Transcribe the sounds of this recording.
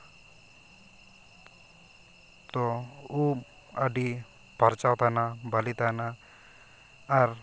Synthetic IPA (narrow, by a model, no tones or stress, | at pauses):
t̪ɔu | aɖi | paɾt͡ʃawt̪anabalit̪ana | ɾ